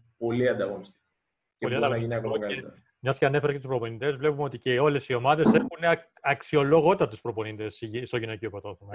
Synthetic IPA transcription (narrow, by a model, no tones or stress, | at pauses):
po̞liɐnd̪ɐɣonist̪i̥k | poliɐnd̪ɐɣinɐkoɐkɐe | mɲɐsceɐne̞feɾɐscet̪uspɾo̞po̞nit̪e̞zvle̞pumeo̞t̪iceo̞le̞sio̞mɐðeseɾxune | ɐksio̞lo̞ɣo̞t̪ɐt̪uspɾo̞po̞nit̪e̞sst̪oʝinociopɾot̪o̞xomɐ